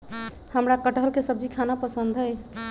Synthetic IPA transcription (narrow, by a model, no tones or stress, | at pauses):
həmɾakəʈɦəlkesəbd͡ʒikʰanapəsənd̪ʱɦəj